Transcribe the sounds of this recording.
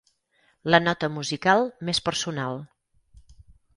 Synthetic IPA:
lənɔt̪əmuzikalˠmespəɾsunalˠ

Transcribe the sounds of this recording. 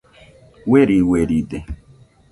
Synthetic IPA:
weɾiweɾide

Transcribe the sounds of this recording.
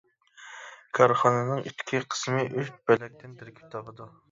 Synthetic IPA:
kʰɑɾχɑnɨnɨŋit̪ʰʲːkʲʰiqʰə̥smɪʔyʃbɛɛk̚ʲt̪ʰɪnt̪ʰɪɾkʲʰi̥p̚t̪ʰɑpʰəd̪u

